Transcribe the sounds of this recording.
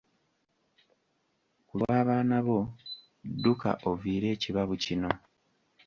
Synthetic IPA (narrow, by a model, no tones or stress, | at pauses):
kulwaːβaːnaβo̞ | dːuka̰ʔoviːɾe̞ːciβaβucino̞